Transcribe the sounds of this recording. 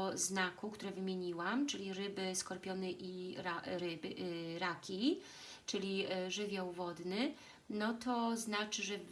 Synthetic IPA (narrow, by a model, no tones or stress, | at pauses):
znakukt̪uɾɛvɘmʲjeɲiwamt͡ʂɘlʲiɾɘbɘskɔɾpʲjɔnɛʔiɾaɾɘbɾakʲi | t͡ʂɘlʲiʐɘvʲjawvɔd̪nɘ | nɔt̪ɔznat͡ʂɘʐɛ